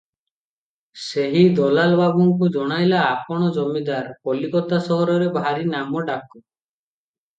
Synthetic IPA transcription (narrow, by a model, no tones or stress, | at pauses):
seɦid̪ɔlalbabuŋkud͡ʒɔɽ̃ajlaːpɔɽ̃ɔd͡ʒɔmid̪aɾpɔlikɔt̪asɔɦɔɾɔɾebʱaɾinamɔɖakɔ